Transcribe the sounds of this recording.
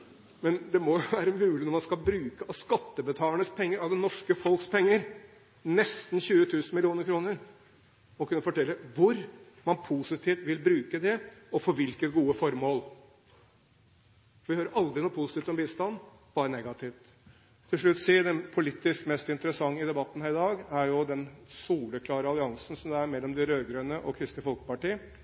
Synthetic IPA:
mɛnd̪ɛmɔjʊʋæːɾəmʉːlɪnɔɾmɑnskɑlbɾʉːkəɑskɑt̪ːəbət̪ʰɑːləɳəspʰɛŋːəɾɑd̪ɛnɔʂkəfɔlkspʰɛŋːəɾ | nɛst̪n̩ɕʉːət̪ʰʉːsənmɪlɪuːnəɾkʰɾuːnəɾ | ɔkʰʉnːəfɔʈʰɛlːəʋʊɾ | mɑnpʰusɪt̪ʰɪːft̪ʋɪlbɾʉːkəd̪ɛɔfɔɾʋɪlkət̪ɡuːəfɔɾmoːl | fɔʋɪhøːɾəʔɑld̪ɾɪnuːpʰʊsɪ̥t̪iːft̪ɔmbiːst̪ɑn | b̥ɑːɾənɛɡɑt̪ɪʋt̪ | t̪ʰːɪlʂɭʉt̪ːsiːd̪ɛnpʰʊlɪt̪ːɪskmɛst̪ɪnt̪əɾəsɑŋːəɪd̪ɛbɑt̪ːən̩hæːɾɪd̪ɑːɡæɾjʊd̪ɛnsuːləkʰlɑːɾəɑlɪɑŋsn̩sɔmd̪ɛæɾmɛlːɔmd̪ɪɾøːɡɾøːnəʔɔkʰɾɪst̪ɪfɔlkə̥pɑʈiːə

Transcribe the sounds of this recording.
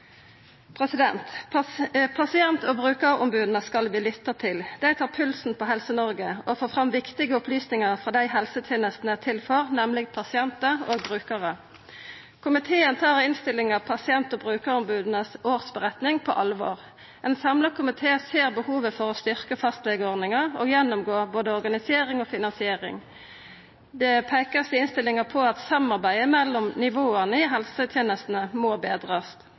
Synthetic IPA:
pʰʁɛsɪd̪ɛ̰nt̪ | pʰɑsɪɛnt̪ɔːbʁʉːkəʁɔmbʉːd̪n̩əskɑlʋɪːlʏt̪ːət̪ʰɪld̪̥æɪt̪ʰɑːpʰʉlsn̩pʰɔɦɛlsənɔʁɡəofoːfʁɑmʋɪkt̪ɪɡəʊplyːsnɪŋəʁfʁɑːd̪æɪɦɛlsət̪ʰeːnəst̪n̩æt̪ʰɪlfɔʁnɛmlɪɡpʰɑsɪɛnt̪əoːɡbʁʉːkəʁə | kʰʊmɪt̪ʰeːənt̪ʰɑːʁɪnst̪ɪlɪŋɑʋpʰɑsɪɛnt̪ɔːbʁʉːkəʁʊmbʉːd̪n̩əsoːʁsbəʁɛt̪nɪŋpʰɔ̰ʔɑlʋo̰ːʁ | ɛnsɑmləkʰʊmɪt̪ʰeːseːʁbəhuːʋəfɔʁɔst̪ʏʁkəfɑst̪lɛɡəɔʁd̪nɪŋəʁɔ̰ːɡjɛnːʊmɡoːboːd̪əɔʁɡɑnɪseːʁɪŋɔːfɪnɑnsɪeːʁɪ̰ŋ | d̪ɛpʰæɪkəsɪɪnst̪ɪlːɪŋəpʰɔɑt̪sɑmɑʁbæɪəmɛlːɔmnɪʋoːənəɪɦɛlsət̪ʰjeːnəst̪n̩əmoːbeːd̪ʁɑs

